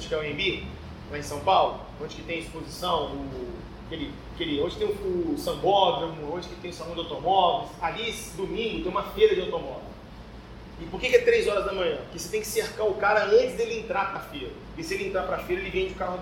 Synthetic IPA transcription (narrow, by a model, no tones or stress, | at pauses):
d͡ʒɪkɪɛʊẽbi | laẽsɐ̃w̃pawlʊ | õd͡ʒɪkɪt̪ẽj̃ɐispozisɐ̃w̃ʊ | kelɪ | keliõd͡ʒɪt̪ẽj̃ũʊsɐ̃bɔblũõd͡ʒɪkɪt̪ẽj̃ʊsaũd͡ʒ̪awt̪omɔbɪlɪsalisd̪ʊmĩɡʊt̪ẽumɐfejɾɐd͡ʒawt̪omɔbl | ɪpoɾkekɪɛt̪ɾejzɔɾɐzd̪ɐmɐ̃ɲ̃ɐ̃kɪoset̪ẽj̃kɪ̥seɾkaɾʊkaɾɐɐ̃nt͡ʃɪzd̪elɪẽnt̪ɾapɾɐfeɾɐ | ɪsɪelɪẽnt̪ɾapɾafeɾɐelɪvẽj̃d͡ʒɪʊkaɾ